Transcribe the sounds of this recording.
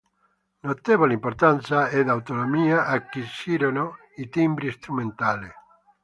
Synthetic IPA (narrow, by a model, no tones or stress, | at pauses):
not̪eβolimpoɾt̪ansaed̪awt̪onomiaʔakːisiɾono | it̪imbɾiest̪ɾumẽnt̪ale